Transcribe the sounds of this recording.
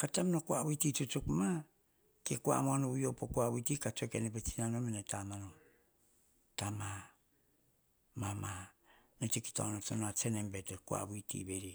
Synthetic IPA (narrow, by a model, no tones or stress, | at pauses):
katamnokuaβuititutukma | kekua̰moanoujopokuaβutikatokenepetinanomenetamanom | tama | mamanetiki̥ta̰wnotonatenembetekua̰βuitḭbeɾi